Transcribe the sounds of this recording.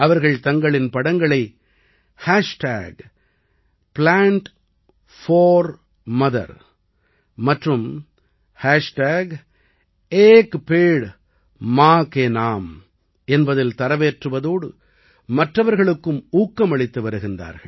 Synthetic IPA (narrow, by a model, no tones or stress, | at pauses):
ɐʋɐɾɣɐɭt̪ɐŋɡɐɭɪnpɐɽɐŋɡɐɭɐɪ | haːʂʈa̰ːɡ | plaːɳʈ | foːɾ | mɐðɐ̰ɾ | mɐʈrɯm | haːʂʈaːɡ | eːkpeːɽ | maːkeːnaːm | ɛnbɐðɪlt̪ɐɾɐʋeːʈrɯʋɐðoːɽɯ̰ | mɐʈrɐʋɐɾɣɐɭɯkːɯmuːkːɐmɐɭɪt̪ːɯʋɐɾɯɣɪnd̪a̰ːɾɣɐ̰ɭ